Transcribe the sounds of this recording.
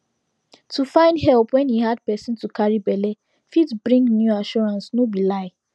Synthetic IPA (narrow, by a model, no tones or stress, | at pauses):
tʰufãɪ̃ndɦɛlˠpwɛ̃nhihad̚pɛsĩntukʰaɹibɛle | fidbɹĩŋɡnjuaʃɔɹãnsnobilaɪ